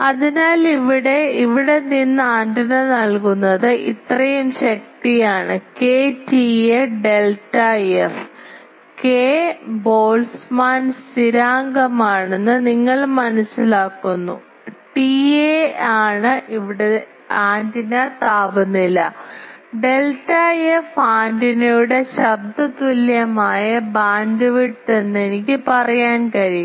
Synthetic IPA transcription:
ɐðinaːliʋiɽe̞iʋiɽe̞ninːɨaːndinɐnɐlkunːɐðɨʔḭt̪rɐjumɕɐk̚t̪ijaːɳɨkeːtieɖe̞ltːɐef | keːbo̞ːlsmaːnsiɾaːŋɡɐmaːɳe̞nːɨniŋːɐɭmɐnɐsːilaːkːunːṵ | ʈieaːɳɨʔiʋiɽe | aːndinaʈ̪aːbunːilːɐɖe̞lʈːɐjefaːndinujuɽe̞ɕɐb̚d̪ʱɐt̪uljɐmaːjɐbaːnd̪ɐʋiʈːe̞nːe̞nikʲːɨpɐrɐjaːnkɐɾi

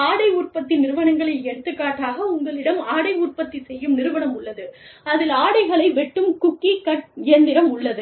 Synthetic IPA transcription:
aːɽɐɪuːrpɐt̪ːɪnnɪɾɯʋɐɳɐŋɡɐɭɐɪɛɽɯt̪ːɯkːaːʈːaːɣɐʊŋɡɐɭɪɽɐmaːɽɐɪuːrpɐt̪ːisɛjːɯmnɪɾɯʋɐnɐmʊɭːɐðɯ | ɐðɪlaːɽɐɪɣɐɭɐɪʋɛʈːɯmkʊkːikɐʈɪjɐnd̪ɪɾɐmʊɭːɐðɯ

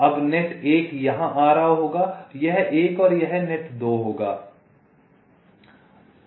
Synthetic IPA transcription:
ɐbneʈeːkjɐɦãʔaːɾaɦoːɡaːjɐɦʔeːkɔːɾjɐɦneʈd̪oːɦoːɡaː

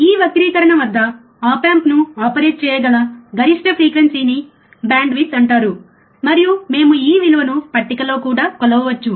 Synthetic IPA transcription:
iːʋɐkɾiːkɐɾɐɳɐmʋɐd̪ːɐ | aːpaːmpnuaːpɐɾeːʈ̚t͡ʃɛːjɐɡɐlɐɡɐɾiʂʈɐpʰɾiːkʋensiːni | baːɳɖʋit̪ɐɳʈaːɾu | mɐɾijume̞ːmuiːʋilɐʋɐnupɐʈːikɐlo̞ːkuːɽaːkɔlɐʋɐʋɐt͡ʃːu

